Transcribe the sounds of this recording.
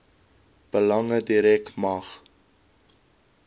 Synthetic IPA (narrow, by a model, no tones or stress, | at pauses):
b̥əlɐŋədiɾɛktmɐχ